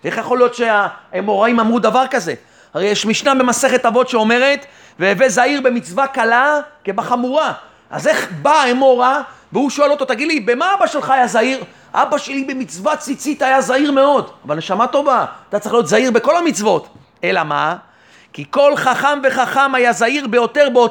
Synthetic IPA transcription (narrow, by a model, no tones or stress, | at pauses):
ʔe̞χjaχo̞lijo̞t̪ʃeaemo̞ʁaimamʁud̪avaʁkaze | aʁejeʃmiʃnabe̞mase̞χet̪avo̞tʃeo̞me̞ʁet̪ | veːvezaiʁbe̞mit͡svakalakebaχamuʁa | a̰ze̞χbaemo̞ʁaveuʃoelo̞t̪o̞t̪aɡidlibemaabaʃe̞lχaːjazaiʁ | ʔa̰baʃe̞libe̞mit͡svat͡sit͡sit̪ajazaiʁmeo̞davalneʃamato̞vaat̪at͡saɐʁiχlijo̞t̪zaiʁbe̞ko̞lamit͡svo̞t̪ | e̞lama | kiko̞lχaχamve̞χaχamajazaiʁbejo̞te̞ʁbeo